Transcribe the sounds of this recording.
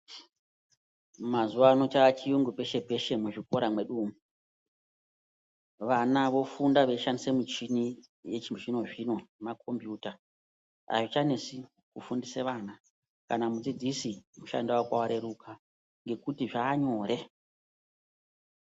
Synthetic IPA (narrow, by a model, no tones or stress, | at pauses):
mazuʋaːno̞t͡ʃaːt͡ʃijuŋɡupe̞ʃe̞pe̞ʃemuʐiko̞ɾamwe̞ɗuːmu | ʋanaʋo̞fundaʋeiʃandisemut͡ʃini | je̞t͡ʃiʐino̞ʐino̞nemakʰo̞mbjuːta | a̰ʐit͡ʃane̞si | kufundiseʋaːna | kanamud͡zid͡zisimuʃa̰ndakwawaɾe̞ɾukʰa | ŋɡe̞kutiʐaːɲo̞ːɾe̞